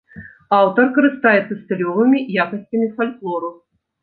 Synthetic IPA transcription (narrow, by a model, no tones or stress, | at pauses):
awt̪ɐrkɐɾɨst̪ajɛt̪sɐsʲt̪ɐlʲɔvɨmʲijakɐsʲt͡sʲɐmʲifalʲklˠɔɾu